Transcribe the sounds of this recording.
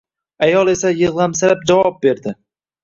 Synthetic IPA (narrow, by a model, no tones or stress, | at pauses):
ajɒlˠe̞sajɨʁlamsaɾap̚d͡ʒavɒp̚be̞ɾd̪ɪ